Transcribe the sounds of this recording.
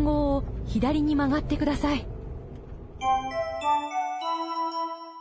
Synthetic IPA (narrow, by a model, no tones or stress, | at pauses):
ŋɡo̞ːoçid̪aɾʲiɲ̟imaɡat̪ːe̞kɯ̟d̪asai